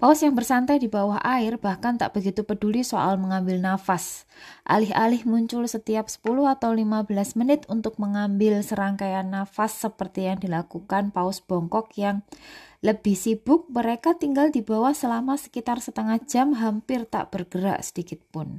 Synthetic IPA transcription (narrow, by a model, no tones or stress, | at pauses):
paʊsjaŋbərsant̪ajdibawaɦʔaɪrb̥ahkant̪a̰ʔb̥əɡit̪upədulisoʔa̰lməŋambɪlnafas | ʔa̰lɪɦʔalɪhmuɲt͡ʃʊlsət̪iap̚sə̥pulʊhat̪awlimabəlasmənɪt̪unt̪ʊk̚məŋambɪlsəɾaŋkajanːafasːəpərt̪ijaŋdilakukanpaʊsb̥ɔŋkɔkjaŋləb̥ɪhsib̥ʊk̚məɾekat̪iŋɡaldibawahsəlamasə̥kit̪arsət̪əŋahd͡ʒ̥amɦampɪrt̪a̰ʔb̥ərɡ̥əɾa̰ʔsə̥dikɪt̪̚pʊn